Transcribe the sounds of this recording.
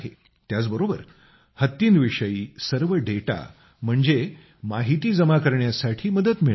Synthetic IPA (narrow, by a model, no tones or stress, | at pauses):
ɦe | t̪jat͡sbəɾobəɾ | hət̪ːiːnʋiʂəjiːsəɾʋəɖeʈa̰ | m̤əɳd͡ze | maɦit̪iːd͡zəmakəɾɳjasaʈʰiːməd̪ət̪miɭ